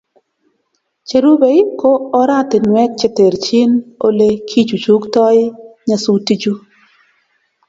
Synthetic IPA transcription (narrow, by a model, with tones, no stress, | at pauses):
t͡ʃe˨ɾu˦be˨ɪ˦koː˦ɾa˦˨tɪ˨nwɛ˦k̚t͡ʃe˦te˨ɾt͡ʃi˦no˦le˦kʰi˦d͡ʒu˨t͡ʃu˦ktɔ˦ɪ˦ɲa˨su˦ti˦d͡ʒu˦